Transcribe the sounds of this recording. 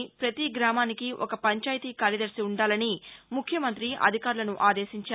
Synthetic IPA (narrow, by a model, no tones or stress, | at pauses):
pɾɐt̪iɡɾaːmaːnikiʔokɐpɐɲt͡ʃaːjt̪iːkaːɾjɐd̪ɐɾsiuɳɖaːlɐnimukʰjɐmɐnt̪ɾiʔɐ̰d̪ʱikaːɾulɐnuʔaːd̪eːʃiɲt͡ʃa